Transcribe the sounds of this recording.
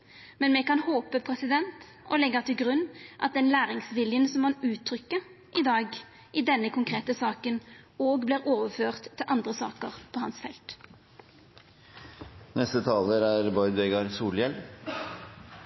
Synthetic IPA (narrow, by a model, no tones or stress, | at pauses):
mɛnmɛkɑnhoːpəpʰɾɛsɪd̪ɛnt̪ | ɔlɛɡːət̪ʰɪlɡʁʉnːʔɑ̰t̪̚d̪ɛnlæːɾɪŋsʋɪljənsɔmmɑnʉːt̪ʰːɾʏkːəʁ | ʔɪd̪ɑːɡ | ʔɪd̪ɛnːəkʊŋkʰʁeːt̪əsɑːkənoːɡbliːʁoːʋəføːʁt̪ʰːɪlʔɑnd̪ʁəsɑ̰ːkəʁpʰɔhɑnsfɛ̰lt̪ | nɛst̪ət̪ʰɑːləɾæɾbɔʏd̪ʋɛɡɑɾsuːljɛl